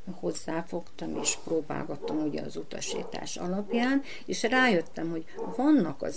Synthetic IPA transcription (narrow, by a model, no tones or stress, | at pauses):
ho̞zːaːfo̞kt̪ɒmḛːʃproːba̰ːlɡɒt̪ːɒmuɟɛ̰ɒzut̪ɒ̰ʃḭːt̪a̰ːʃɒ̰lɒpjaːn | eːʃraːjø̞t̪ːɛmho̞ɟ | vɒnːɒkɒ̰z